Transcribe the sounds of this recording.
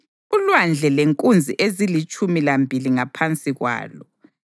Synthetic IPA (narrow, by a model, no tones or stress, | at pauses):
ulwand͡ɮʱɛleŋkʼund͡zʱiʔezilit͡ʃʼumilambʱiliŋapʰant͡sʼiɣwa̰ːlɔ